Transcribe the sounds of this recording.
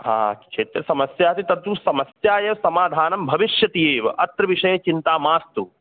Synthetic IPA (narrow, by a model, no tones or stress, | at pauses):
ɦa̰ːkt͡ʃʰeːt̪ɾɐsɐmɐsjaːt̪it̪ɐt̪ʋusɐmɐsjaːjɐʋɐsɐmaːd̪ʱaːnɐmbʱɐʋiʃjɐt̪iːʋɐɐt̪ɾɐʋiʂɐjɐt͡ʃint̪aːmaːst̪u